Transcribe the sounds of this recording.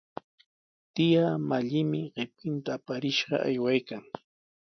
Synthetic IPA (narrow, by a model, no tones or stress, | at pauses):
t̪ɪjamaʎɪmɪɢɪp̚kɪnt̪aːpaɾɪʃɢɑ̰ʔa̰jwajkaŋ